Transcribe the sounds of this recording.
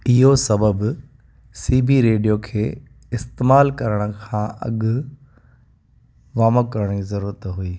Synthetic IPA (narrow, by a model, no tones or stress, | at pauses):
ɪɦosɐbəb | siːbiɾeːɖijokʰeː | ɪst̪eːmaːlkɐɾəɽ̃ə̆kʰãːʔɐ̰ɠʊ | ʋaːməkɐɾəɽ̃izɐɾuːɾət̪ɦuiː